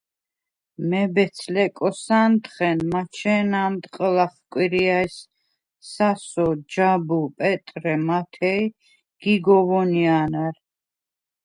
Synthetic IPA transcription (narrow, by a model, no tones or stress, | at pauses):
mɛbɛt̪sʰlɛkʼɔsant̪χɛnmat͡ʃʰɛːnant̪ʼqʼəlaχkʼwiɾiajs | sasɔd͡ʒabupʼɛt̪ʼɾɛmat̪ʰɛj | ɡ̥iɡɔvɔnianaɾ